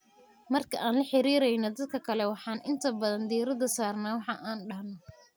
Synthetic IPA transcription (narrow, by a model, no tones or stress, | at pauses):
mɐrkʰɐ̰ʔaːnlɐħɪɾiːɾɛjnɔd̪ɐd̪̚kʰɐkʰɐlɛwɑħɑːnʔɪnt̪ʰɐbɐðɐnd̪iɾɐðɐsaːrnaːwɑħɑʔaːnɖɐɦnɔ